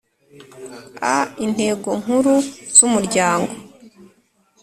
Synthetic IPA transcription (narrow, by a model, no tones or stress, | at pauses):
a̰in̥e̞ːɡo̞ŋ̥uɾuz̥umuɾɟaːŋɡo̞